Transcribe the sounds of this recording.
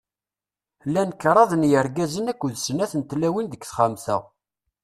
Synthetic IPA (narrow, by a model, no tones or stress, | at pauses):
lːænkːɾˤɑðˤənjəɾɡæzənækʷːðsnæθənt̪læwind̪əkθχamθæ̰